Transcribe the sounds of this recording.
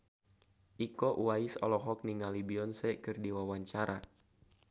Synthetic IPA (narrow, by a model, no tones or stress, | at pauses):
ʔikɔʔuwaisɔ̰lɔɦɔk̚niŋalibiɔnsɛkɨrdiwawaɲt͡ʃaɾa